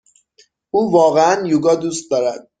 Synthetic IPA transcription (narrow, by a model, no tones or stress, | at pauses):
ʔuːvɒːɣeænjuːɡɒːd̪uːst̪̚d̪ɒːɾæd̪̥̚